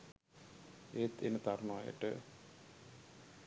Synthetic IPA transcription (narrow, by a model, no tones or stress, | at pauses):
eːt̪ʰḛnət̪armaaːjə̰ʈə